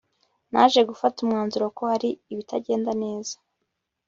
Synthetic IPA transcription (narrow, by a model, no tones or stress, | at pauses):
na̰ːʒe̞ɡufatumŋaːnzuɾokohaɾiːβitʰaɟe̞ːndane̞ːz̥ḁ